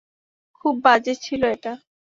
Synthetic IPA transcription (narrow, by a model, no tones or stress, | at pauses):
kʰubːad͡ʑet͡ɕʰiloeʈa